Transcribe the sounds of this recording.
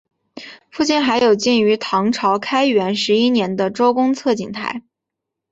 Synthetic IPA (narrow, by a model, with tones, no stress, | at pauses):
fu˥˧t͡ɕi˥˩nxa˧˥ɪjo˨˩ʊt͡ɕi˥˩ny˧˥t̪ʰɑ˧˥ŋʈ͡ʂʰɑ˧˥ʊkʰa˥ɪɥɛ˧˥nʂɻ̩˧˥i˥njɛ˧˥nd̪ə˧ʈ͡ʂo˥ʊkʊ˥ŋt͡sʰɤ˥˩t͡ɕḭ˨˩ŋt̪ʰa̰˧˥ɪ